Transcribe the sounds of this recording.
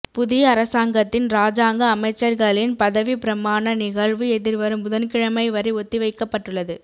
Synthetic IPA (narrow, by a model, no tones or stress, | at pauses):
pʊðɪjɐːɾɐsaːŋɡɐt̪ːɪnɾaːd͡ʒaːŋɡɐːmɐɪt͡ʃːɐɾɣɐɭɪnpɐðɐʋipɪɾɐmaːnɐnɪɣɐɭʋɯɛðɪɾʋɐɾɯmʊðɐnkɪɻɐmɐɪʋɐɾɪɔt̪ːiʋɐɪkːɐpːɐʈːɯɭːɐðɯ